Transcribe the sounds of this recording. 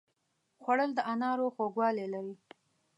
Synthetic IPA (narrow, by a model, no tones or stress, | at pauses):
xwaɽəld̪əʔanɑɾoxoɡwɑlelaɾi